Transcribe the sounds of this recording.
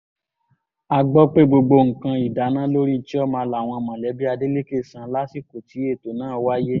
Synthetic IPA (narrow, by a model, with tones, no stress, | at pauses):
a˧ɡ͡bɔ˦k͡pe˦ɡ͡bo˧ɡ͡bo˧ŋ̩˨kã˧i˨da˨˦nã˦lo˦ɾi˦ti˦ɔ˦mãː˧la˨w̃ɔ̃˧˨mã˨lɛ˨˦bi˦a˧de˦le˦ke˦˨sã˧la˦si˦˨ko˨ti˨˦e˦˨to˨nãː˨˦˧wa˦je˦